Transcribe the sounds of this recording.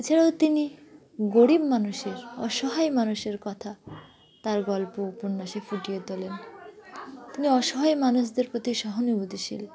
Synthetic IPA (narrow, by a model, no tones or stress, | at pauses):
et͡ɕʰaɾaot̪ini | ɡoɽibmanuʃeɾɔ̰ʃɔɦajmanuʃeɾkɔt̪ʰa | t̪aɾɡɔlpopunːaʃefuʈijet̪olen | t̪iniɔʃɔɦajmanuʃd̪eɾpɾot̪iʃɔɦonibud̪iʃḭl